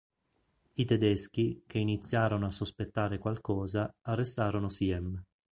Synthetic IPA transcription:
it̪ed̪esk̟ikeinit̪sːjaːɾonoasːospet̪ːaːɾekwalkɔːzaarːest̪aːɾonosiɛm

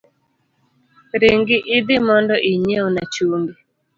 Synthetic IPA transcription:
ɾiŋɡɪʔɪd̪ɪmɔndɔʔiɲeonat͡ʃuŋɡi

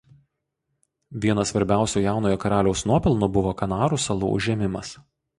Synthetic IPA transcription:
ʋʲiɛnɐsʋɐɾʲbʲæˑʊsʲuːjæˑʊnoːjɔkɐɾɑːlʲɛʊsnuɔpʲɪlˠnubʊʋoːkɐnɑːɾuːˑsɐlˠṵːʊ̰ʒʲɛmʲɪmɐs

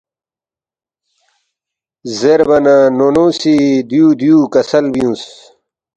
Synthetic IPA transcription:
zeɾbɐnanonoːsid̪jud̪ijukɐsɐlbijũs

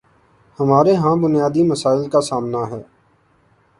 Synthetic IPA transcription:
həmaːɾeɦãːbʊnɪjaːd̪iməsaːɪlkasaːmnaɦɛː

